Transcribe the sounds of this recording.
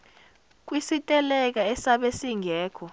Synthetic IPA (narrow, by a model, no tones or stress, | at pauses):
k̬wisitʼɛlɛk̬aɛsaɓesiŋʱɛːkʰɔ